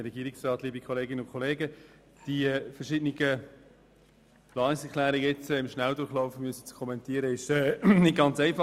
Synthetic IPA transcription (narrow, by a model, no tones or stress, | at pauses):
ɾɛɡiːɾɪksrɑːtliːbikʰɔleːɡɪnəʊnkʰɔleːɡə | d̥iɛfəɾʃɪdnɪɡə | plɑːnɪksɛkʰlæːɾɪɡəɛt͡sɛɪmʃnældʊχlɔʊfmyəsə̥t͡skʰɔmɛntiːəɾəɪʃɛːnɪt̚ɡ̥ɑnt͡sɛɪfɑ